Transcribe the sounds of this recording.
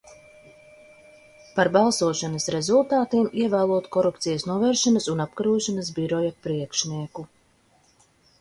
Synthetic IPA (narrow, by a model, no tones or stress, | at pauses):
paɾbalˠsuɔʃanɐsɾezulˠt̪aːt̪iːmiɛvæːlˠuɔt̪kɔɾupt̪sijɐsnuɔvɛːɾʃanɐsunapkaɾuɔʃanɐs̬biɾɔjapɾiɛkʃniɛku